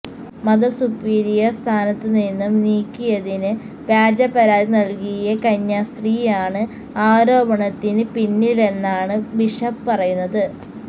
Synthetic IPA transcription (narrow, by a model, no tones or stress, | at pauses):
mɐd̪ɐrsupːiːɾijɐst̪ʰaːnɐt̪ːɨninːumniːkʲːijɐðinɨ | pjaːd͡ʑɐpːɐɾaːðinɐlkijɐkɐɲːɐst̪riːjaːɳɨ | aːɾo̞ːbɐɳɐt̪ːinɨpinːile̞nːaːɳɨbiʂɐppɐrɐjunːɐðɨ